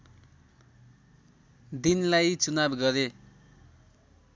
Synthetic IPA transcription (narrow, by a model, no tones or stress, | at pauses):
d̪inlajt͡sunabɡʌɾe